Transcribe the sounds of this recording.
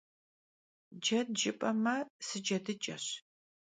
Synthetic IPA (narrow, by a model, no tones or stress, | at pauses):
d͡ʒɐdd͡ʒɪpʼɐmɐsɨd͡ʒɐdɨt͡ʃʼɐ̰ɕ